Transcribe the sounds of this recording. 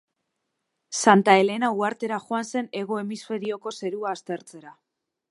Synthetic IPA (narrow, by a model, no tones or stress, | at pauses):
sant̪ae̞le̞nauaɾt̪e̞ɾaxoanse̞ne̞ɣo̞e̞misfe̞ɾio̞ko̞se̞ɾuaːst̪e̞ɾt͡se̞ɾa